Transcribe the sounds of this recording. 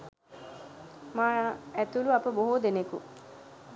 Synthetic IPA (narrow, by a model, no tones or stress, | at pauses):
maːaæt̪uluapəboɦud̪enekṵ